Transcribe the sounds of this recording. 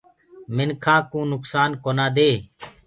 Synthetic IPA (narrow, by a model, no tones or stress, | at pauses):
mɪnkʰãːkũːnʊksaːnkoːnãːd̪eː